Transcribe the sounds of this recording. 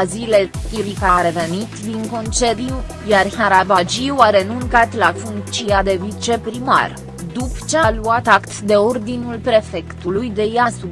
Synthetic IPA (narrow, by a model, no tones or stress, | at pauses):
zile̞iɾikaɾe̞ve̞nit̪d̪iŋko̞nt͡ʃe̞d̪iu | jarhaɾabad͡ʒiuaɾenuŋkat̪lafuŋk̚t͡ʃiad̪e̞vit͡ʃe̞pɾima̰r | d̪upt͡ʃealuat̪akt̪d̪e̞o̞rd̪inulpɾe̞fe̞kt̪ulujd̪e̞jasu